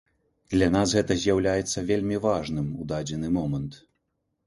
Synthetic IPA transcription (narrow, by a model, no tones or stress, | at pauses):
d̪lʲan̪asɣɛt̪ɐzʲjawlʲajɛt̪sːɐvʲelʲmʲivaʐnɨmud̪ad͡zʲɛnɨmɔmɐnt̪